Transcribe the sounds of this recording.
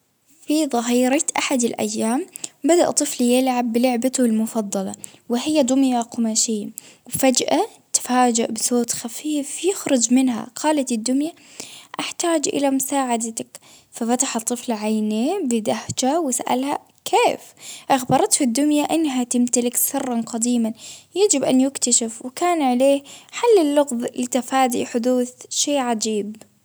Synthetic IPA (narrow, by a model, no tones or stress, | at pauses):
fiðˤɑɦiːɾɑt̪ʔaħad̪ɪlʔa̰jːaːmbad̪a̰ʔt̪ˤːɨfljɪlʕabːɪlɪʕbat̪ʊɪlmʊfɑd̪ˤːɑlɑ̰wɪɦɪjːad̪ʊmjaqʊmaʃiːwfad͡ʒʔa | t̪faːd͡ʒɪʔbɪsoːt̪xafiːfjɪxɾʊd͡ʒmɪnɦa̰qʰɑːlat̪ɪd̪ːʊmja | ʔaħt̪aːd͡ʒʔɪ̰lamʊsaːʕad̪at̪ak | fafat̪aħɑt̪ˤːɨflʕajneːbɪd̪ahd͡ʒawɪsaʔa̰lha̰ | kʰeːfʔɑxbɑɾˤɑt̪hɪd̪ːʊnjaʔɪnːɦat̪ɪmt̪alɪksɨrˤːɑnqɑd̪iːmanjad͡ʒɪbʔanjɪkt̪aʃafwkaːnʕaleːħalːɪlːʊɣðˤlɪt̪afaːd̪ḭʔħʊd̪uːθʃeːʕad͡ʒiːb